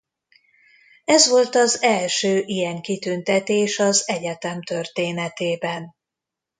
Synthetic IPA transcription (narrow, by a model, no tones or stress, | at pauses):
ɛzʋo̞lt̪ɒzɛlʃøːʔijɛŋkit̪ynt̪ɛt̪eːʃɒzɛɟɛt̪ɛmt̪ørt̪eːnɛt̪eːbɛn